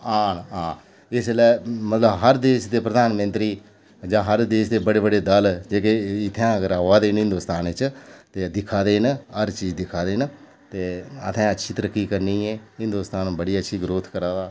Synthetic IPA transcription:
aːnãː | ɪslɛːmət̪ləbɦəɾd̪eːʃd̪eːpɾəd̪aːnmənt̪ɾiː | d͡ʒãːɦəɾd̪eːʃd̪eːbəɽeːbəɽeːd̪əld͡ʒeːkeɪt̪ʰjãːɡəɾaːaːd̪eːnɦɪ̃nd̪uːst̪aːnɪt͡ʃt̪eːd̪ɪkʰaːd̪eːnɦəɾt͡ʃiːd͡ʒd̪ɪkʰaːd̪eːn | t̪eːət̪ʰɛ̃ːətːʃʰiːt̪əɾəkːiːkəɾniːeːɦɪ̃nd̪uːst̪aːnbəɽiːətːʃʰiːɡɾoːt̪ʰkəɾaːʋaː

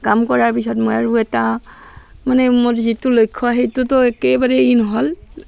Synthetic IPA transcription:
kamkɔɹaɹpisɔtmɔjaɹuɛta | manɛmoɹzitulojkʰːɔaɦetutɔɛkɛbaɹɛinɔɦɔl

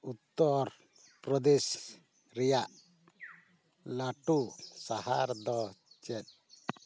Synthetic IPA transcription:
ut̪ːɔɾ | pɾɔd̪ɛs | ɾɛjaʔ | laʈusahaɾd̪ɔt͡ʃɛt̪̚ˀ

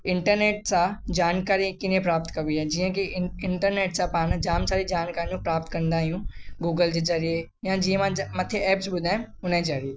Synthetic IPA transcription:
ɪ̃ɳʈəɾneːʈ̚sãd͡ʒaːnkaːɾikɪnẽpɾaːp̚t̪kɐʋiɦɛ̃d͡ʒiːə̃kiɪɳʈəɾneːʈsãpaːnd͡ʒaːmsaːɾid͡ʒaːnkaːɾiũpɾaːpt̪kɐ̃nd̪aːɦijũɡuːɡəld͡ʑezɐɾie | jãd͡ʒiːə̃mãmɐt̪ʰeɛːpsbʊd̪ʱaːẽʊnẽzɐɾie

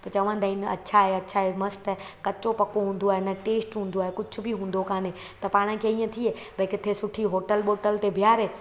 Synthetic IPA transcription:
pɐt͡ʃɐʋə̃nd̪aːinɐ̰tːʃʰaɦeɐtːʃʰaɦemɐst̪ɛ | kɐt͡ɕt͡ʃopɐkoɦũːn̆d̪oaːɦenɐʈeːsʈɦũːnd̪oaːɦekʊt͡ʃʰʊbʱiɦũːn̆d̪okaːne | t̪ɐpaːɽ̃ə̃kʰeiːə̃t̪ʰie | bʱɐkɪt̪ʰesʊʈʰiɦoːʈəlɓoːʈəlt̪ebʱijaːɾɦeː

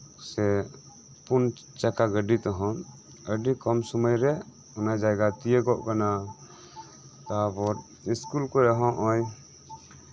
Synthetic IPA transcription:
sɛ | pun | t͡ʃakaɡəɖit̪ɔɦɔ̃ | əɖikɔmsɔməjɾɛ | unad͡ʒajɡat̪ijeɡɔʔkana | t̪abɔɾ | iskulkɔɾɛɦɔ̃ʔɔj

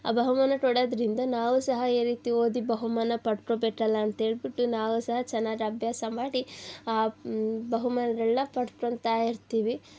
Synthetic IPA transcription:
a̰ːbɐɦumaːnɐʈ̪oɽɐːd̪ɐɾind̪ɐnaːʋusɐɦɐiːɾiːt̪io̞ːd̪ibɐɦumaːnɐpɐʈʈɾobeʈːɐlːɐːnt̪ɐɦe̞ːɭbiʈːunaːʋusɐɦɐt͡ʃɛnːaːd͡ʒɐbjaːsɐmaːɽiaːbɐɦumaːnɐɾɛlːɐpɐʈʈɾont̪aːjiɾt̪iːʋi

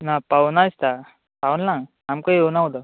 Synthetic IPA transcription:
napaunast̪a | paunlãŋ | amkaionaɦod̪a

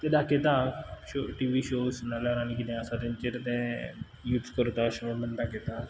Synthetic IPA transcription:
t̪ẽd̪aket̪aɕoʈiʋiɕosnalaɾañikid̪ẽasat̪ent͡ɕeɾt̪ẽ | juːt̪skəɾt̪aɕəʋəɽmənd̪aket̪a

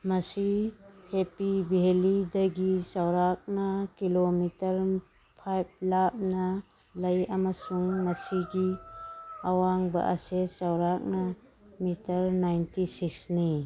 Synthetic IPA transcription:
mɐsihepibiɦelidɐɡisawɾak̚nakilomitɐɾ | pʰajb̚lap̚nɐ | lɐjamɐsuŋmɐsiɡi | awaŋbɐ̰ʔa̰sesawɾak̚namitɐɾnajntisiksni

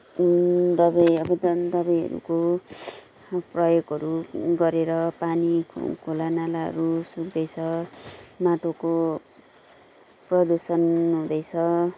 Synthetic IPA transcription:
d̪ʌbʌjʌbʌd̪d̪ʌbʌjɦʌ̰ɾṵko | prʌjoɡɦʌɾuɡʌɾeɾʌpanḭkʰolanalaɦʌ̰ɾusuk̚d̪ʌjt͡sʰʌ | maʈoko | prʌd̪usʌnɦũd̪ʌjt͡sʰʌ

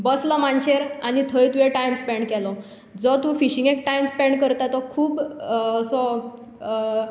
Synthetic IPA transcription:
bəslɔmanɕeɾañit̪ʰəjt̪uʋeʈajmspɛɳɖkɛlɔ | d͡zɔt̪ũfiɕĩŋɡekʈajmspɛ̃ɳɖkəɾt̪at̪ɔkʰuːbːsɔ

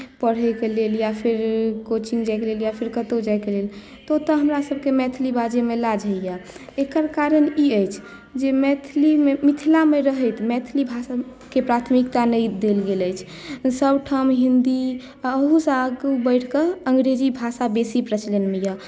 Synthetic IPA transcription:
pəɽ̤ɦɛkeleljapʰiɾkot͡ʃiŋɡd͡ʒajkeleljapʰiɾkət̪od͡ʒajkelel | t̪ɔt̪ɔɦəmɾasəbkemɛt̪ʰlibad͡ʒemelad͡ʒʱəjaekəɾkaɾəniəjt͡ʃʰ | d͡ʒemɛt̪ʰlimemit̪ʰilameɾəɦət̪mɛt̪ʰlibʱasa | kepɾat̪ʰmikt̪anəjd̪elɡeləjt͡ʃʰ | səbʈʰəmɦind̪i | əɦusə̃aɡubəɪʈʰkəəŋɡɾed͡ʒibʱasabesipɾət͡ʃlenmeja

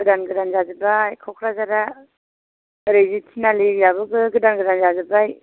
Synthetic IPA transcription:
ɡɯdanɡɯdanzazɯbajkʰawkʰɾazaɾa | ɾejzitʰinalijaβɯɡɯɡɯdanɡɯdanzazɯbaj

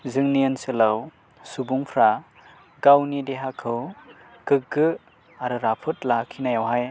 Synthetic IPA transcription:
zɯŋniɯnsɯlaw | subuŋpʰɾa | ɡawnideɦakʰɯw | kɯɡɯ | aɾɯɾapʰɯt̚lakʰinajawɦaj

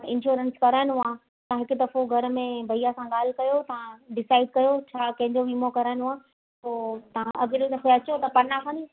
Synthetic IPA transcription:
ɪ̃nʃuːɾə̃nskɐɾaːɪ̃nʊ̃ãː | t̪ɐãɦɪkʊd̪ɐfoɡʱɐɾmẽbʱɐijasãɠaːl̤kɐjot̪ɐʋãɖɪsaːɪɖkɐjot͡ɕʰaːkɐ̃ɦɪ̃ɲd͡ʑoʋiːmokɐɾaːɪ̃nɦũãː | poːt̪ɐãʔɐɡɾod̪ɐfoɐt͡ɕot̪ɐpɐnakʰãni

